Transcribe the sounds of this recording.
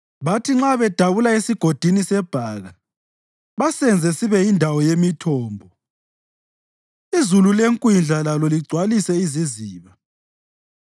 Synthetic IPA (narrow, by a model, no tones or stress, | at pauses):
βatʰiŋ͡ǁaβɛd̥ʱaβulaesiɡ̥ʱod̥ʱinisɛb̥ʱaːɣa | βasɛnd͡zʱɛsiβɛindʱawɔjemitʰɔːmbʱɔ | izululeŋkʼwind͡ɮʱalalɔliɡ͡ǀʱwalisɛiziziːβa